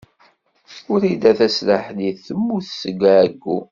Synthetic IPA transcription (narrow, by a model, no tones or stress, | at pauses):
ʊɾid̪æθæsləħliθəmːuθsəɡaɡːu